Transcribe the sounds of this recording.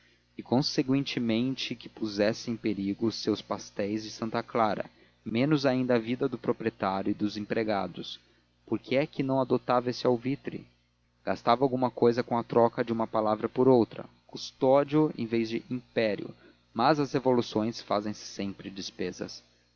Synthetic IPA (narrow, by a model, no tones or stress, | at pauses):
ɪkõsekwẽnt͡ʃɪmẽnt͡ʃɪkɪ̥puzɛsɪẽj̃peɾiɡʊsewspast̪ɛjzd͡ʒɪsɐ̃nt̪ɐklaɾɐ̰ | mẽnʊzaĩnd̪ɐːvid̪ɐd̪ʊpɾopɾiet̪aɾjʊɪd̪ʊzẽpɾeɡad̪ʊs | poɾkʰɪɛkɪnɐ̃w̃ad̪ot̪avɐesɪawvit̪ɾɪ̰ | ɡ̥ast̪avɐawɡũmɐkojzɐkõɐt̪ɾɔkɐd͡ʒɪũmɐpalavɾɐpoɾowt̪ɾɐ̰ | kust̪ɔd͡ʒiʊḛ̃j̃vejzd͡ʒɪʔĩpɛɾjʊ̰ | mɐzɐshevolusõj̃sfazẽj̃sɪ̥sẽmpɾɪd͡ʒɪspezɐ̰s